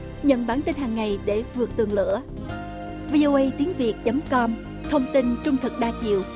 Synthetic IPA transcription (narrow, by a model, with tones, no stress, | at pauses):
ɲə̰˧˨nɓaː˧˩nt̪i˧nɦaː˨˩ŋːa˨˩jɗe˧˩vɨ˨˩ək̚t̪ɨ˨˩əŋlɨ̰˧˥ə | vi˧ʔo˧ʔə˧jt̪i˨˦əŋvi˨˩ək̚t͡ɕə˨˦mkɔ˧m | t̪ʰə˧wŋ͡mt̪i˧nt͡ɕʊ˧ŋ͡mt̪ʰɨ˨˩k̚ɗaː˧t͡ɕḭ˧˨əw